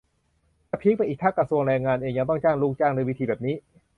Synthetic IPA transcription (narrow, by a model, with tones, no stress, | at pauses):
t͡ɕa˧˩pʰi˦˥k̚a˧jʔiː˨˩k̚tʰaː˥˩kɾa˧su˧əŋɾɛː˧ŋaː˧nʔeː˧ŋjaː˧ŋt̪ɔ˥˩ŋt͡ɕaː˥˩ŋluː˦˥˩kt͡ɕaː˥˩ŋna˧jwi˦˥t̪ʰiː˧bɛː˨˩p̚niː˦˥˩